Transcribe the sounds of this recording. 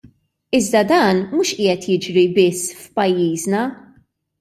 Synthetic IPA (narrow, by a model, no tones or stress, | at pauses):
ɪzd̪ɐd̪ɐːnmuːʃʔɪːjɛt̪jɪd͡ʒɾibɪsːfpɐjːiːznɐ